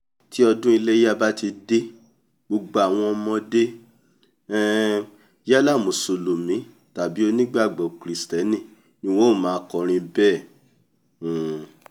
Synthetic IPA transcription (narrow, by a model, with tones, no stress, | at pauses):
ti˦ɔ˧dũ˦i˧le˦ja˦ba˦ti˧de˦ | ɡ͡bo˧ɡ͡ba˨a˨w̃ɔ̃˧mɔ̃˧de˦ | ɛ˦ | ja˦la˦˨mõ˨so˧lo˨mĩ˨˦ | ta˨bi˨˦o˧nĩ˦ɡ͡ba˦˨ɡ͡bɔ˨kɾi˨˦stɛ˨˦nĩ˦˨ | nĩ˧wɔ̃˦˨mãː˨˦kɔ˧ɾ̃ĩ˧bɛ˦˨